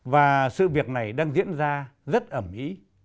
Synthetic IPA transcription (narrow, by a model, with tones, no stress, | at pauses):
vaː˨˩sɨ̰˧˨vi˨˩ək̚na˨˩jɗaː˧ŋzḭ˧˥ənzaː˧zə˦˥t̚ʔəː˧˩mʔḭ˧˥